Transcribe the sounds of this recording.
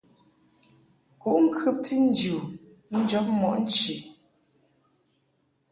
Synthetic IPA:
ku˨ʔŋ̩˦kʰʉ˦p̚ti˦n̩˦d͡ʒu˨ | n̩˦d͡ʒɔ˨˦p̚mɔ˨ʔn̩˦t͡ʃi˨

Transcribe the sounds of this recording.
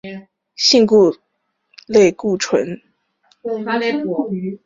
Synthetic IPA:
ɕi˥˧ŋku˥˧ | le˥˧ɪku˥˩ʈ͡ʂʰwə̰˧˥n˥˧˥

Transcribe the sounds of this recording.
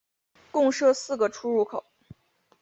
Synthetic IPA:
kʊ˥˧ŋʂɤ˥˧sɹ̩˥˩ɡə˩ʈ͡ʂʰu˥ɻu˥˩kʰo˨˩˦ʊ

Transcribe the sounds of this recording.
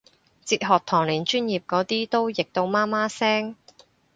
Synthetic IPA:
t͡siː˧t̚ɦɔː˨k̚t̪ʰɔː˨˩ŋliː˨˩nt͡ʃyː˥njiː˨p̚kɔː˨˧˥t̪iː˥t̪o˥wjɪ˨k̚t̪o˧wmaː˥maː˥sɛː˥ŋ

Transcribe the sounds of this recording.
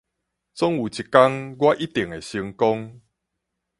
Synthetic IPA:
t͡sɔ˦ŋu˨t͡ɕi˨˩ka˦ŋɡwa˦ʔi˦t̪i˨əŋe˨˩ɕi˧ŋkɔ˦ŋ

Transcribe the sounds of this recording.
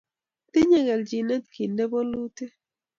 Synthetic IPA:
ti˦ɲɛ˦ɣɛ˨ld͡ʒi˨nɛ˦t̪̚ki˨ndɛ˦bɔ˦lu˦te˦

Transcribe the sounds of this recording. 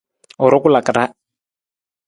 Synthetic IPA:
ɔ˨ɾɔ˦ku˦la˨ka˨ɾa˦

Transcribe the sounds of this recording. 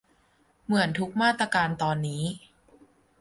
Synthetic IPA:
mɯ˩˦ənt̪ʰu˦˥k̚maː˥˩t̪ːɾaː˧kaː˧nt̪ɔː˧nːiː˦˥

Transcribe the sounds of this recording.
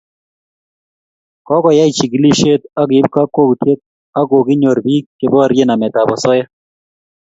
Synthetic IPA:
kɔ˦kɔ˨ja˦i˨t͡ʃi˨ɡi˦li˦ʃe˦t̪a˦ki˨˦b̚ka˦kːo˦ku˨t̪ʰe˦t̪̚ | a˦ko˨ɡi˦ɲo˨ɾbi˦kkːe˨bɔ˦ɾje˦na˨mɛ˨t̪a˨bɔ˨sɔ˦ja˦

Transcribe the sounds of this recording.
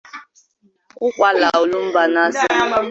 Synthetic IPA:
kʷʊ˦kʷa˦la̰˨o˨lu˦m̩˦ba˦na˦sɪ˦

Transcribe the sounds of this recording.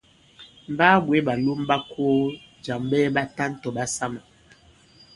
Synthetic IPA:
m̩˨baː˦bwe˨˦ɓa˨lu˦m˦ba˦ko˦ | d͡ʒa˨mbɛ˦ba˦ta˦n̩˦tɔ˨ɓa˦sa˦ma˨

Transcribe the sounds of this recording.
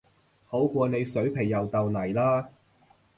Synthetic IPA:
ho˨˥wkʷɔː˧ne˨˧jsɵ˨˥ɥpʰe˨˩jːɐ˨wt̪ɐ˨wnɐ˨˩jlaː˥

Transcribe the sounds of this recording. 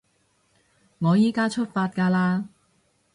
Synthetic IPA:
ŋɔː˨˧jiː˨˥kaː˥t͡ʃʰɵ˥t̚faː˧t̚kaː˧laː˧

